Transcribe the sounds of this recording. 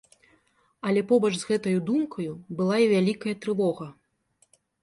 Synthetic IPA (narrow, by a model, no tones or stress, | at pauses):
ɐlʲɛpɔbɐʐzɣɛt̪ɐjud̪umkʰɐjubɨlˠaivʲalʲikɐjɐt̪ɾɨvɔɣɐ